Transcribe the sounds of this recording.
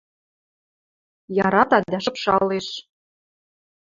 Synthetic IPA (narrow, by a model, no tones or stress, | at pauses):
jɑɾɑt̪ɑd̪æʃɤpʃɑlːeʃ